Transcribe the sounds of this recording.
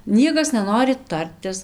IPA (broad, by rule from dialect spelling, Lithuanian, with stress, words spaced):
ˈnʲiɛkɐs nʲɛˈnoːrʲɪ ˈtɐrʲtʲɪs